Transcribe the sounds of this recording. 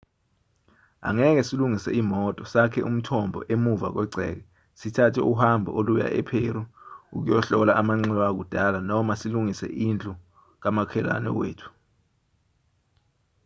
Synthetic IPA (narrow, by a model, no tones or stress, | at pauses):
a̰ŋɛk̬ɛsiluŋisɛ̰iːmɔtʼɔsakʰɛʔum̩tʰɔmbʱɔ̰ʔemuva̰k̬wɛǀʱɛ̰ːk̬ɛ | sitʰatʰɛʔuhambʱɔ̰oluja̰ʔɛpʰeɾuṵk̬ujɔɬɔlaʔamaŋ͡ǀɛlwak̬ud̥ʱalanɔmasiluŋisɛ̰ʔind͡ɮʼu | k̬amakʰɛla̰nɛ̰wḛːtʰu̥